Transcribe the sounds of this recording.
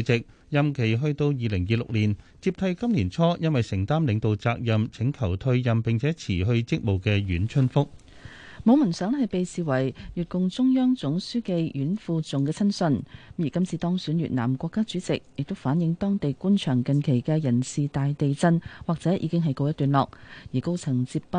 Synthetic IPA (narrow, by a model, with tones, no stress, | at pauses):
t͡sɪ˨k̚ | jɐ˨mkʰe˨˩jɦɵ˧ɥt̪o˧wjiː˨˧lɪ˨˩ŋjiː˨˧lʊ̰˨k̚liː˨˩nt͡siː˧p̚t̪ʰɐ˧jkɐ˥mliː˨˩nt͡sʰɔː˥jɐ˥nwɐ˨jsɪ˨˩ŋt̪aː˥mlɪ˨˧ŋt̪o˨wt͡saː˧k̚jɐ˨mt͡sʰɪ˨˥ŋkʰɐ˨˩wt̪ʰɵ˧ɥjɐ˨mpɪ˨ŋt͡sʰɛː˨˥t͡sʰiː˨˩ɦɵ˧ɥt͡sɪ˥k̚mo˨wkɛː˧jyː˨˥nt͡ʃʰɵ˥nfʊ˥k̚ | mo˨˧wmɐ˨˩nsœː˨˥ŋhɐ˨jpe˨jsiː˨wɐ˨˩jjyː˨˩t̚kʊ˨ŋt͡sʊ˥ŋjœː˥ŋt͡sʊ˨˥ŋsyː˥ke˧jjyː˨˥nfuː˧t͡sʊ˨ŋkɛː˧t͡sʰɐ˥nsɵ˧n˥jyː˨˩kɐ˥mt͡sʰiː˨˧t̪ɔː˥ŋsyː˨˥nɥy̰ː˨t̚na̰ː˨˩mkʷɔː˧kːaː˥t͡syː˨˥t͡sɪ̰˨k̚jɪ˨k̚t̪o˥wfaː˨˥njɪ˨˥ŋt̪ɔː˥ŋt̪e˨jkuː˥nt͡ʃʰœː˨˩ŋkɐ˨nkʰe˨˩jkɛ˧jɐ˨˩nsiː˨t̪aː˨jt̪e˨jt͡sɐ˧nwaː˨k̚t͡sɛː˨˥ʔḭ˨˧kɪ˥ŋɦɐ˨jko˧wjɐ˥t̪yː˨nlɔː˨k̚jiː˨˩ko˥wt͡sʰɐ˨˩ŋt͡siː˧p̚pɐ˥